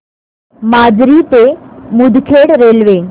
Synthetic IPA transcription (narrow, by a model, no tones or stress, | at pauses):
maːd͡ʒɾit̪emud̪ʱkʰeːɽɾelʋe